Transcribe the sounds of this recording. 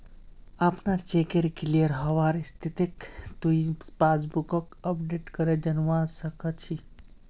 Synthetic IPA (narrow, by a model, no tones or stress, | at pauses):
apnat͡ʃeːkeɾkliəɾɦɐʋaːɾist̪ʰit̪ikt̪uispaːd͡ʒbukəkɐp̚ɖeʈkəɾed͡ʒɐnʋaːsɐkʰət͡ʃʰi